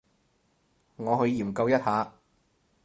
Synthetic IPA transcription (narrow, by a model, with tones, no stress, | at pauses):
ŋɔː˨˧ɦɵ˧ɥjiː˨˩mkɐ˧wjɐ˥t̚haː˨˧